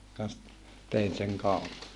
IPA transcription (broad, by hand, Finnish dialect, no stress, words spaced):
kɑns t tein seŋ kɑupɑ